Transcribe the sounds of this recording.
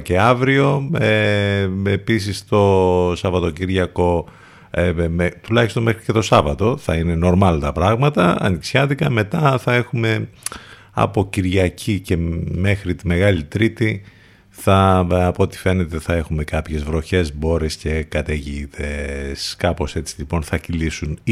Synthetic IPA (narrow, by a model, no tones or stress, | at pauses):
ce̞ɐvɾio̞e | episist̪o̞sɐvɐt̪o̞ciɾʝɐko̞ | t̪ulɐçist̪o̞nmexɾice̞t̪o̞sɐvɐt̪o̞θɐine̞no̞ɾmɐlt̪ɐpɾɐɣmɐt̪ɐɐ̰niksçɐt̪ikɐme̞t̪ɐθɐe̞xume̞ | ɐ̰po̞ciɾʝɐcʰice̞me̞xɾit̪ime̞ɣɐlit̪ɾit̪i | θɐɐpot̪i̥fe̞ne̞t̪e̞θɐe̞xume̞kɐpçe̞zvɾo̞çe̞zbo̞ɾesce̞kɐt̪eʝiːðeskɐpo̞se̞t͡silipo̞nθɐcilisun